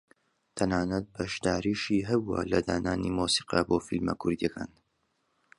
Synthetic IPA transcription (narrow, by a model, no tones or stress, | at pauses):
t̪ʰɐnaːnɐt̪̚bɐʃd̪aːɾiːʃiːɦɐbuɐ̰lɐd̪aːnaːnimoːsi̥ːqɐ̰boːfilmɐ̰kʰʊɾd̪iɐkʰa̰ːn